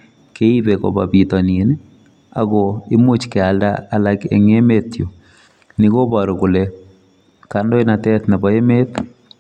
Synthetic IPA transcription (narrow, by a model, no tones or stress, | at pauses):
keibeko̰bapitɔnin | a̰koɪmut͡ʃkɛaldaːlakḛŋemetjo | nikobɔɾokʊle | kandoinatɛt̪nɛbɔemet̪